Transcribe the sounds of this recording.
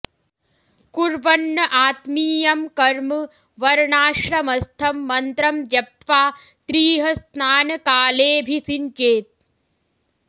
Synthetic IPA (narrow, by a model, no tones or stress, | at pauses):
kuɾʋɐnːɐʔaːt̪miːjɐmkɐɾmɨ | ʋɐɾɳaːʂɾɐmɐst̪ʰɐmːɐnt̪ɾɐmjjɐp̚t̪ʋaː | t̪ɾiːɦɐsnaːnɐkaːleːbʱisint͡ʃeːt̪̚